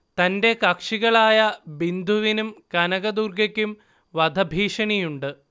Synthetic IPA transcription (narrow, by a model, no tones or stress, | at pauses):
t̪ɐnde̞kɐkʂiɣɐɭaːjɐbind̪ʱuʋinumkɐnɐɣɐd̪urɡɐkʲːum | ʋɐd̪ʱɐbʱiːʂɐɳijuɳɖɨ